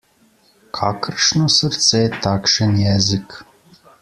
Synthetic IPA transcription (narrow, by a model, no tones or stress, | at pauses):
kʰaːkʰərʂnosɨrt̪sɛjt̪ʰaːkʂɐnjɛzɨkʰ